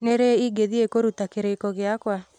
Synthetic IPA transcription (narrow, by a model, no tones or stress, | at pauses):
neɾeiɡeðiekoɾutakeɾekɔɣɪakwa